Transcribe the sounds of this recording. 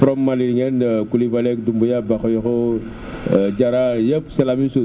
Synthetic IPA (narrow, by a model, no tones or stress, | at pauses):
fɾɔmːaliɾiŋɛnkulibalɛkdumbujabakɔjɔkɔ | d͡ʒaɾajepsɛlaminsu